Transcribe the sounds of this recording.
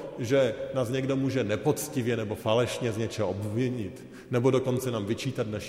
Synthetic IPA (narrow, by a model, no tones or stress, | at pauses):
ʒɛnaːzɲɛɡdo̞muːʒɛnɛpot͡scɪvjɛnɛbo̞falɛʃɲɛzɲɛt͡ʃɛɦoʔobvɪɲɪt̪ | nɛbodoko̞nt͡sɛnaːmvɪt͡ʃiːt̪at̪naʃ